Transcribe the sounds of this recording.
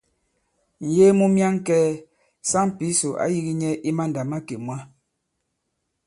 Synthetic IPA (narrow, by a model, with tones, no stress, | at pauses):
n̩˨je˦mu˦mja˦ŋ˦kɛː˦ | sa˦ŋ˦pi˨˦so˨ʔa̰˦ji˦ɣi˦ɲɛ˦ʔi˦ma˦n˨da˨ma˦ke˨mwa˦